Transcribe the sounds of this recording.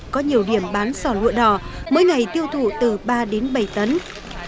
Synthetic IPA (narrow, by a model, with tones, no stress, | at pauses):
kɔ˨˦ɲi˨˩əwɗi˧˩əmɓaː˨˦nsɔ˧˩lṵ˧˨əɗɔ˧˩mə̰ː˨˦jŋa˨˩jt̪i˧əwt̪ʰṵ˧˨t̪ɨ˨˩ɓaː˧ɗe˨˦nɓə˧˩jt̪ə˨˦n